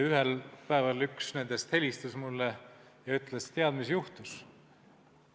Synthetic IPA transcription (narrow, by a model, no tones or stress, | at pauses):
yɦelpæːvɑlːyksnend̪est̪he̞lʲist̪usmulːe | jɑyt̪ˑlest̪e̞ɑd̪misjuht̪us